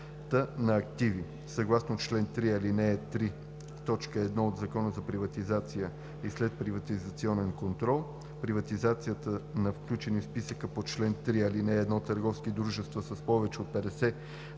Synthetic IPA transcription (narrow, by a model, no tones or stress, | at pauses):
t̪ənɐɐk̚t̪ivi | sɐɡlˠasnot͡ʃlɛnt̪ɾiɐlinɛɛt̪ɾi | t̪ɔt͡ʃkəɛːd̪nɔod̪zɐkɔnəzɐpɾivɐt̪izat̪sijə | islɛt̪̚pɾivɐt̪izɐt̪siɔnɛnkont̪ɾɔlˠ | pɾivɐt̪izat̪sijət̪ənɐfklʲut͡ʃɛnifspisəkəpot͡ʃlɛnt̪ɾiɐlinɛːd̪nɔt̪ːəɾɡɔfskid̪ɾuʒɛst̪vəsəspɔvɛt͡ʃɛot̪̚pɛd̪ɛsɛ